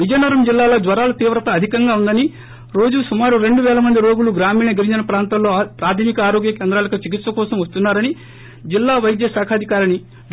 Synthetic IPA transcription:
ʋid͡ʒɐnɐɾɐmd͡ʒilːaːlo̞ːd̪ʋɐɾaːlɐt̪iːʋɾɐt̪ɐːd̪ʱikɐŋɡaːund̪ɐni | ɾo̞ːd͡ʒusumaːɾuɾe̞ɳɖuʋɛːlɐmɐnd̪iɾoːɡuluɡɾaːmiːnɐɡiɾiɲd͡ʒɐnɐpɾaːnt̪ɐmlo̞ːpɾaːt̪ʰimikɐaːɾo̞ːɡjɐkeːnd̪ɾaːlɐkɐt͡ʃik̬it̪sʋɐkɔːsɐmʋɐst̪unːaːɾɐni | d͡ʒilːaːʋɐjd̪jɐsaːkʰaːd̪ʱikaːɾɐni

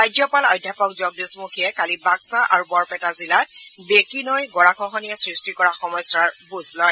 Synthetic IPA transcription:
tajzɔpalɔjdʱjapɔkzɔɡdusmukʰijɛkalibaksaʔa̰ɹubɔɹpɛtazilat̚bekinojɡɔɹakʰɔɦɔnijɛsɹistikɔɹaxɔmɔjsaɹbuzlɔj

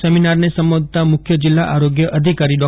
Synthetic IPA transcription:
seminaɾnesəmʋod̪ʱt̪amʊkʰjəd͡ʒɪlːaʔaɾoɡjəʔəd̪ʱikaɾiɖɔ

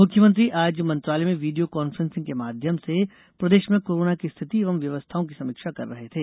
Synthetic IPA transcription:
mʊkʰːjəmə̃nt̪ɾiʔaːd͡ʒmɐ̃nt̪ɾaːlemẽʋiːɖijokɔːnfɾə̃nsɪ̃ŋɡkemaːd̪ʱjəmse | pɾɐd̪eːʃmẽkoːɾoːnakist̪ʰɪt̪ieːʋəmʋjɐʋəst̪ʰaːõkisɐmiːkʃakɐ̰ɾːɐɦet̪ʰeː

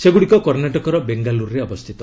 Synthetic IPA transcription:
seɡuɽikɔkɔɾnaʈɔkɔɾɔbeŋɡaluɾɾeɔbɔst̪ʰit̪ɔ

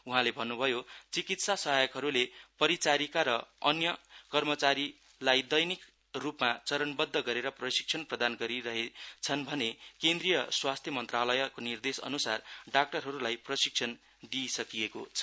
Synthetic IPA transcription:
uɦãlebʱʌnːubʱʌjot͡sikit̪sasʌɦajʌkɦʌɾulepʌɾit͡saɾikaɾʌʌnjʌkʌrmʌt͡saɾi | lajd̪ʌjnik | rupmat͡sʌɾʌnbʌd̪ʱːʌɡʌɾeɾʌprʌsi̥k̚t͡sʰʌnprʌd̪anɡʌɾiɾʌɦet͡sʰʌnbʱʌnekend̪rijʌswast̪ʰjʌmʌnt̪ralʌjʌkonird̪esʌ̰nusarɖak̚ʈʌrɦʌɾulajprʌsik̚t͡sʰʌn | d̪isʌkijeko̰t͡sʰʌ

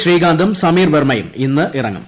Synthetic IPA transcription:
ɕriːɡaːnd̪ɐmsɐmiːrʋermɐjṵminːɨʔirɐ̰ŋːɐ̰m

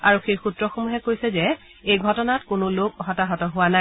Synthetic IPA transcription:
aɹuxejxutɹɔxomuɦɛkojsɛzɛ | ejɡʱɔtɔnatkʊnʊlokɔɦɔtaɦɔtɔɦʊwana

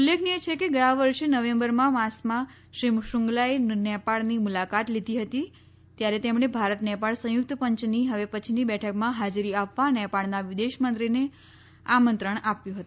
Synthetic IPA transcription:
ulːekʰniet͡ʃʰekeɡəjãʋəɾʃenəʋẽmbəɾmãmãsmã | ʃɾimʃʊŋɡlaenɛpaɭnimulakat̪lid̪ʱiɦət̪i | t̪jaɾet̪emɳ̃ebʱaɾət̪nɛpaɭsə̃jʊk̚t̪pəɲt͡ʃniɦəʋepət͡ʃʰinibɛʈʰəkmãɦad͡ʒɾiapʋanɛpaɭnaʋid̪eʃmənt̪ɾine | amənt̪ɾəɳ̃apjũɦət̪uu

